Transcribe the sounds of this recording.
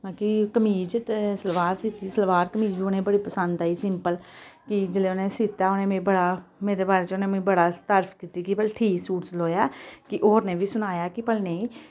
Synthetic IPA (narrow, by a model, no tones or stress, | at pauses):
baːkikəmiːd͡ʒt̪esəlʋaːɾsit̪iːsəlʋaːɾkəmiːd͡ʒʋiːonẽːbəɽiːpəsənd̪aːiːsɪmpəlkɪd͡ʒəleːoːneːsit̪aːonẽːmẽːbəɽaːmeːɾeːbaːɾeːt͡ʃoːnẽːmẽːbəɽaːt̪əɾfkiːt̪iːkipəlʈʰiːksuːɾsloːjaːkɪʔoːɾneːʋiːsʊnaːjaːkɪpəlneĩː